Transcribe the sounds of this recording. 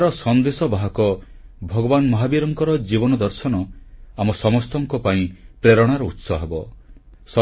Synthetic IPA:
ɾɔsɔnd̪esɔbaɦɔkɔ | bʱɔɡɔbanmɔɦabiɾɔŋkɔɾɔd͡ʒibɔnɔd̪ɔɾsɔnɔamɔsɔmɔst̪ɔŋkɔpaĩpɾeɾɔɽ̃aɾɔut̪sɔɦebɔ | sɔ

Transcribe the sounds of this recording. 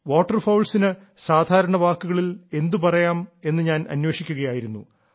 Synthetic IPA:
ʋoːʈːɐrfɐwlsinɨ | saːd̪ʱaːɾɐɳɐʋaːkːuɣɐɭile̞nd̪upɐrɐjaːme̞nːɨɲaːnʔɐ̰nwe̞ːʂikʲːuɣɐjaːjiɾunːṵ

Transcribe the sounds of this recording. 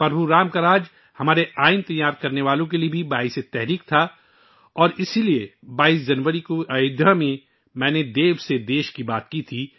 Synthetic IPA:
pɐɾbʱuɾaːmkɐɾaːd͡ʒ | hɐmaːɾeaːɪnt̪ɐjaːɾkɐɾneʋaːlõk̬eliebʱibaːɪset̪ɛɦɾiːk̚t̪ʰa | ɔːɾɪsilie | baːiːs̬d͡ʒɐnʋəɾikoʔɐjʊd̪amẽ | mɛ̃ːned̪eːʋsed̪eːʃkibaːt̪kit̪ʰiː

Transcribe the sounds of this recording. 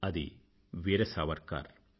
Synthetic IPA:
ɐðḭ | ʋeːɾɐsaːʋɐɾka̰ːɾ

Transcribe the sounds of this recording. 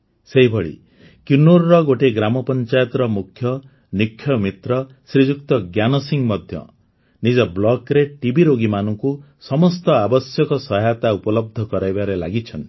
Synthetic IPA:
seɦibʱɔɭḭ | kjunoɾːɔɡoʈeɡɾamɔpɔnt͡ʃajɔt̪ɔɾɔmukʰjɔ | nikʰːjɔmit̪ɾɔ | sɾid͡ʒukt̪ɔɡjanɔsiŋmɔd̪ʱjɔ̰ | nid͡ʒɔblɔkɾeʈibʱiɾoɡimanɔŋku | sɔmɔst̪ɔabɔsjɔkɔsɔɦajat̪aupɔlɔb̚d̪ʱɔkɔɾajbaɾela̰ɡit͡ʃʰɔnt̪i

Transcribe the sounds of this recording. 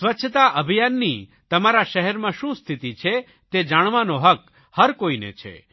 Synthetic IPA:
sʋətːʃʰət̪aʔəbʱijanːit̪ɐmaɾaʃɛɦɛɾmãʃũst̪ʰit̪it͡ʃʰe | t̪ed͡ʒaɽ̃ʋãnoɦək | həɾkoinḛt͡ʃʰḛ

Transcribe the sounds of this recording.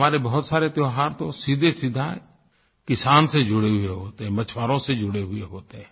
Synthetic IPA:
maːɾebəɦʊt̪saːɾet̪joɦaːɾt̪osiːd̪ʱesid̪ʱa | kɪsaːnsed͡ʒʊɽeɦʊeɦoːt̪eɦɛ̃mət͡ʃʰwaːɾõsed͡ʒʊɽeɦʊeɦoːt̪eɦɛ̃ː

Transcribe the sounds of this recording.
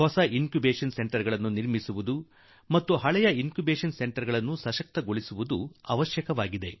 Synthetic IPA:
hɔsɐʔinkjubeːʂɐnseɳʈɐɾɡɐɭɐnːuniɾmisuʋud̪u | mɐt̪ːuɦɐɭɛjɐinkjubeːʂɐnse̞ɳʈɐɾɡɐɭɐnːusɐʃɐk̚t̪ɐɡoɭisuʋud̪uɐʋɐʃjɐkɐʋaːɡid̪e̞

